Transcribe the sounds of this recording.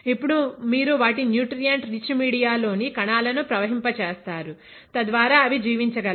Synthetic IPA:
ipːuɽumiːɾuʋaːʈinjuːʈɾijɐɳʈɾit͡ʃmiːɽijaːlo̞ːnikɐɳaːlɐnupɾɐʋɐɦimpɐt͡ʃeːst̪aːɾu | t̪ɐd̪ʋaːɾaːɐʋid͡ʒiːʋiɲt͡ʃɐɡɐl

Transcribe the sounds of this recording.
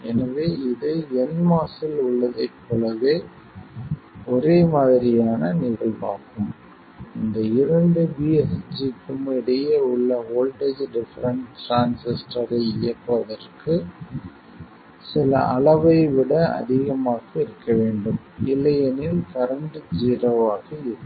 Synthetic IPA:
ɛnɐʋeːɪðɐɛnmaːsɪlʊɭːɐðɐɪpːɯɭɐɣeː | ɔɾeːmaːðɪɾɪjaːnɐnɪɣɐɭpa̰ːɾkɯm | ɪnd̪ɐɪɾɐɳɖɯbiːɛsd͡ʒiʈːɯmɪɽɐjɐʊɭːɐoːlʈɐd͡ʒɖɪfɐɾɐnɾaːnsɪsʈɐɾɐɪjɐpːɐðɐrkɯ | sɪlɐ̰ʔɐɭɐʋɐɪʋɪɽɐɐ̰ðɪɣɐmaːɣɐɪɾɯkːɐʋeːɳɖɯm | ɪlːɐjɐnɪlkɐɾɐɳɖɯd͡ʒiːɾɐʋaːɣɐɪɾɯkː

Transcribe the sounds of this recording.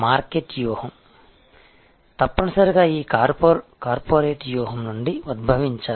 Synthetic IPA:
maːɾkeːʈjuːhɐm | t̪ɐpːɐnɐsɐɾiɡaːiːkaːɾpkaːɾpoːɾeːʈjuːɦɐmnuɳɖiud̪̚bʱɐʋiɲt͡ʃaː

